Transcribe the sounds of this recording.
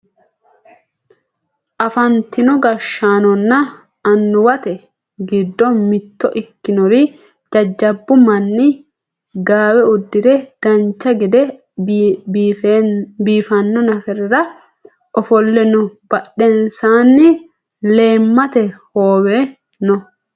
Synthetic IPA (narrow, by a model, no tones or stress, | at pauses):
ʔɐfɐnt̪ɪnɔɡɐʃːaːnɔnːɐː | nːʊwɐt̪ɛ | ɡɪd̪ːɔmɪt̪ːɔʔɪkːɪnɔɾɪ | d͡ʒɐd͡ʒːɐbːʊmɐnːɪ | ɡaːwɛʊd̪ːɪd̪ɛd̥ɐnt͡ʃːɐɡɪd̪ɛ | biːfɐnːɔnɐfɛɾɾɐ | ʔɔfɔlːɛnʊb̥ɐɗːɛnsaːnːɪ | le̞ːmːɐt̪ɛhoːwe | nɔ